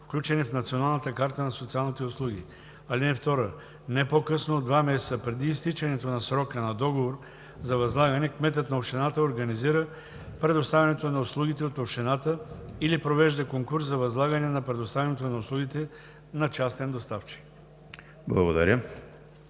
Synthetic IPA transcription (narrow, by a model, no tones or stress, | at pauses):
fklʲut͡ʃɛnifnɐt̪sionalˠnət̪əkaɾt̪ənɐsot̪sialˠnit̪ɛʊslˠuɡ̟ʲḭ | alinɛft̪ɔɾə | nɛpokɤsnod̪vamɛsɛt̪səpɾɛd̪iːst̪it͡ʃɛnɛt̪onɐsɾɔkənɐd̪ɔɡovoɾ | zɐvɐzlˠaɡɐnɛkmɛt̪ət̪nɐofʃt̪ɛnat̪əoɾɡɐniziɾə | pɾɛd̪ost̪avɛɐnɛt̪onɐʊslˠuɡit̪ɛot̪ofʃɛnat̪əilipɾovɛʒd̪əkoŋkuɾszɐvɐzlˠaɡənɛnɐpɾɛd̪ost̪avʲɛnɛt̪onɐʊslˠuɡʲit̪ɛ | nɐt͡ʃast̪ɛnd̪ost̪aft͡ʃi̥k | blˠɐ̰ɡod̪ɐ̰ɾʲə